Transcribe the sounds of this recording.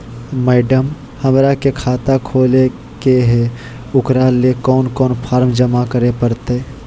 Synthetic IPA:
mɛːɖəm | həmɾakekʰaːt̪akʰoːle | keɦe | ʊkɾalekɔːnkɔːnpʰaːɾmd͡ʒəmakəɾepəɾt̪e

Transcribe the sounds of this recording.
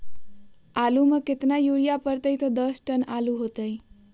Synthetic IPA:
aluməket̪najuɽijapəɾt̪əjt̪ɔd̪ʌsʈənaluɦot̪əj

